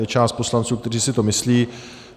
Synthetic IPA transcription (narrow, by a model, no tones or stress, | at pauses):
ɛt͡ʃaːst̪̚po̞slant͡suːkt̪ɛriːsɪt̪o̞mɪsliː